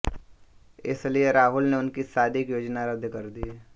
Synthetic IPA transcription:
ɪ̰slieɾaːɦʊlneʊnkisaːd̪ʱɪkjoːd͡ʒnaɾəd̪ʱkɐɾd̪i

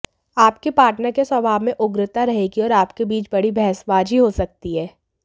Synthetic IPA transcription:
aːpkepaːʈnəɾkeswɐbʱaːbmẽʔʊɡɾɪt̪aɾɐɦeːɡiɔːɾaːpkebiːt͡ʃbɐɽibʱɛɦsbaːd͡ʒɦiɦosɐk̚t̪iɦɛː

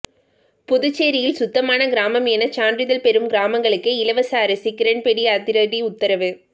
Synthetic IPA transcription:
pʊðɯt͡ʃːeːɾɪjɪlsʊt̪ːɐmaːnɐɡɪɾaːmɐmɛnɐt͡ʃaːndrɪðɐlpɛɾɯmɡɾaːmɐŋɡɐɭɯkːɯɪlɐʋɐsaːɾɐsɪkːɪɾɐnpɛɽiat̪ɪɾɐðiʊt̪ːɐɾɐʋɯ

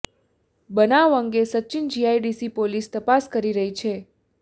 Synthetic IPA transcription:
bənaʋəŋɡesətːt͡ʃɪnd͡ʒiaiɖisipolist̪əpaskəɾiɾəɦit͡ʃʰe

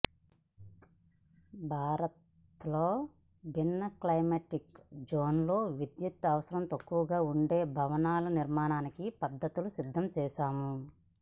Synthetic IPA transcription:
bʱaːɾɐt̪ | lo̞ː | bʱinːɐklɐjmeʈikd͡ʒoːnlo̞ːʋid̪jut̪ɐʋɐsɐɾɐmt̪ɐkːuʋɐɡaːuɳɖe̞ːbʱɐʋɐnaːlɐniɾmaːnaːnikipɐd̪ːɐt̪ulusid̪ʱːɐmt͡ʃɛːʃaːmu

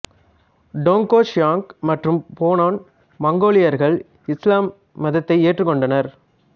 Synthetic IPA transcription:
ɖoːŋkoːʂjaːŋkmɐʈrɯmpoːnaːn | mɐŋɡoːɭɪjɐɾɣɐɭ | ɪslaːmː | ɐðɐt̪ːɐɪeːʈrɯkːɔɳɖɐnɐɾ

